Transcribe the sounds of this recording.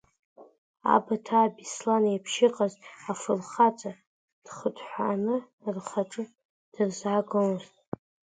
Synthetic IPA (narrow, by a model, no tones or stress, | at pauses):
a̰batʰaːbislanjapʰʃɪqʼazafɨrχat͡sʼa | d̥χədʰʼħʷaːnɨ | rχaʈ͡ʂʼɨ | d̥ɨrzaɡolztʼ